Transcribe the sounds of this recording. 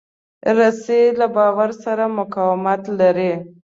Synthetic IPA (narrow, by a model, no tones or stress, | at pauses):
ɾaselabɑwaɾsaɾamʊkɑwɪmat̪laɾi